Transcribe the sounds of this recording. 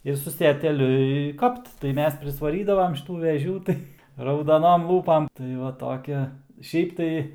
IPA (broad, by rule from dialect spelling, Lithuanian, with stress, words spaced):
ˈɪr sʊ sʲɛtʲɛˈlʲʊ ɪ ˈkɐpt tɐɪ ˈmʲɛs pʲrʲɪsʋɐˈrʲiːdɐʋɐm ʃʲɪˈtuː ʋʲɛˈʒʲuː ˈtɐɪ rɐʊdɐˈnoːm ˈlˠuːpɐm tɐɪ ˈʋɐ toːˈkʲɪ ˈʃʲɛɪp tɐɪ